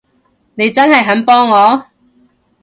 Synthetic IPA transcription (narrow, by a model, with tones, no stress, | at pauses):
ne˨˧jt͡sɐ˥nhɐ˨jɦɐ˨˥npɔː˥ŋːɔː˨˧